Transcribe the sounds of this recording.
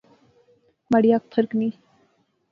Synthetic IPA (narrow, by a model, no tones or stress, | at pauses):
maɽiak̚t̪ʰəɾkni